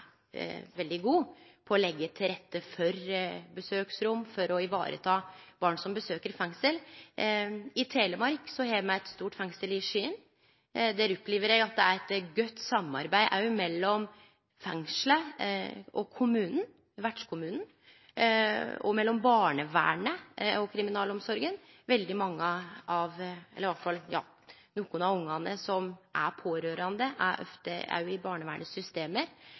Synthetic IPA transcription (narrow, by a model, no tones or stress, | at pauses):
ʋɛld̪ɪɡuːpʰɔɔlɛɡːət̪ʰɪlɾɛt̪ʰːəfɔɾbəsøːksɾʊmːfɔɾɔɪʋɑ̰ːɾə̰t̪ʰɑːb̥ɑːɳsɔmbəsøːkəɾfɛŋsəl | ɪt̪ʰeːləmɑɾksɔhemæɪɛt̪st̪uːʈfɛŋsəlɪʂyːən | d̪æːɾʉpːleːʋəɾjæɡɑt̪̚d̪ɛæɾɛt̪ɡœt̪ːsɑmɑ̰ɾbæɪʔɑmɛlːɔm | fɛŋʂlə | ɔkʰʊmʉːnn̩ | ʋæɖʂkʰʊmʉːnn̩ | ɔ̰mɛlːɔmbɑːɳəʋæ̰ːɳəɔkʰɾɪmɪnɑːlɔmsɔɾɡən | ʋɛld̪ɪmɑŋːəɑʋɛ̰lːəɾʋɑʈfɑljɑ̰ː | nuːkʊnɑʋʊŋːɑnəsɔmʔæɾpʰoːɾøːɾɑnd̪əʔæɾʔɔ̰ft̪əɑ̰ʉɪbɑːɳəʋæːɳəsʏst̪eːməɾ